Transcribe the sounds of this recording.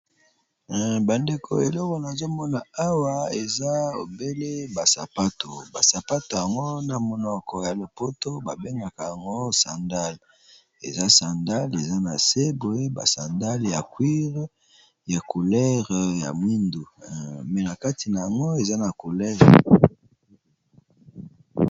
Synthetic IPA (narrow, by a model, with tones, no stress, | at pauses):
ba˨nde˨kʰo̰˨e˨lɔ˦kɔ˨na˨zo˦mɔ˦na˨a˦wa˦e˨za˦o̰˨be˦le˦ba˨sa̰˨pa˦to˨ba˨sa˨pa˦to˨ja˨ŋɡo˦na˨mo˨nɔ˨kɔ˨ja˨lo˨po˦to˦ba˨be˦ŋɡa˨ka˨ja˨ŋɡo˦sa˨nda˦l | ḛ˨za˦sa˨nda˦le˨za˦na̰˨se˦bo˨e˦ba̰˨sa˨nda˦lja˨kwi˦ʁ | ja˨ku˨lɛ˦ʁja̰˨mwi˦ndu˨mɛ˨na˨ka˦ti˨na˨a˨ŋɡo˦e˨za˦na˨ku˨lɛ˦ʁ